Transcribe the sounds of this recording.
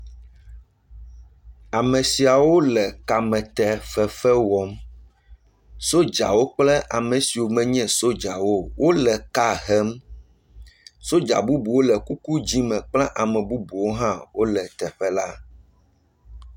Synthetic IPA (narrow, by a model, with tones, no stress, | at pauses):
a˨mɛ̃˨si˨a˨wo˦lɛ˨ka˨mɛ̃˨t̪ɛ˨ɸɛ˨fɛ˦wɔ˦m | so˦d͡ʒa̰˨wo˦k͡plɛ˦ʔa˨mɛ̃˨si˨wo˨mɛ̃˦ɲɛ̃˦so˦d͡ʒa˨wo˦wʔo˦lɛ˨ka˦ɦɛ˦m | so˦d͡ʒa̰˨bu˦bu˨wo˦lɛ˨ku˦ku˦d͡ʑi˦mɛ̃˨k͡plɛ̃˦ʔa˨mɛ̃˨bu˦bu˨wo˦ɦã˦wo˦lɛ˨t̪ɛ˨ɸɛ˦la̰˦